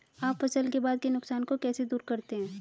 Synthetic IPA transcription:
aːpːɐsəlkebaːd̪̚kenʊksaːnkokɛːsed̪uːɾkɐɾt̪eɦɛ̃ː

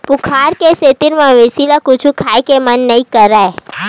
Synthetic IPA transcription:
pukʰaɾkeset̪iɾmãʋesilakʊt͡ʃʰũkʰajkemənːəĩkəɾae

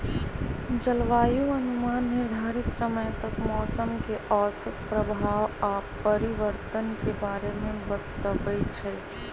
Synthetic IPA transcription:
d͡ʒəlʋaːjuɐnʊmaːnːɪɾd̪ʱaːɾɪk̪səməjt̪ɐkmɔːsəmkeʔɔːsət̪pɾəbʱaːʋaːpːəɾɪʋəɾt̪ənkebaːɾemẽbət̪əbət͡ʃʰɛː

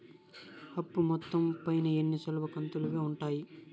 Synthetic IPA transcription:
hɐpːumɔt̪ːɐmpɐjnɐenːit͡ʃɐluʋɐkɐnt̪uluʋeːuɳʈaːji

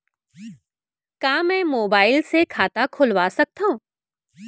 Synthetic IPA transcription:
kaːmɛ̃ːmoːbaːɪlsekʰaːt̪akʰʊlʋaːsɐk̚t̪aɦũː

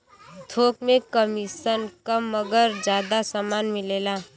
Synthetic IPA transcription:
t̪ʰokmekəmisənkəmːəɡəɾd͡ʒjad̪asəmanmilela

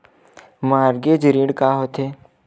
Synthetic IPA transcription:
maːɾɡed͡ʒɾĩɽkaːɦoːt̪ɦeː

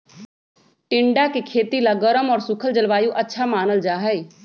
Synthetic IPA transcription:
ʈɪ̃ɳɖakekʰeːt̪ilaɡəɾəmɔːɾsʊkʰəld͡ʒəlʋaːjũʔɐtːʃʰamaːnəld͡ʒaːɦəe

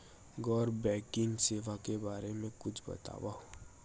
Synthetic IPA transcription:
ɡɔːɾbɛːkɪŋɡseːʋakebaːɾemẽkʊt͡ʃʰbɐ̰t̪a̰ːwaːo

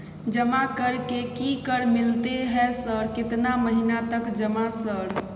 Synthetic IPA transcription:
d͡ʒəmakəɾkekikəɾmilt̪eɦɛsəɾkɪt̪naməɦinat̪əkd͡ʒəmasəɾ

